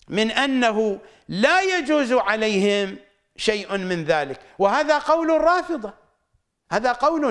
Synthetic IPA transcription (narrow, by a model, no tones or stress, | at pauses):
mɪnʔanːaɦʊ | laːjad͡ʒuːzʕalajhɪm | ʃajʔmɪnðaːlɪk | wɪhaːðaqɑwlrˤɑːfɨðˤɑ | haːðaqɑwl